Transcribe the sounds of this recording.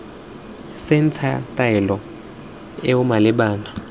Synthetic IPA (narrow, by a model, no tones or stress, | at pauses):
sɛnt͡sʰa̰tʼaɛlɔ | ɛʊmalɪɓaːna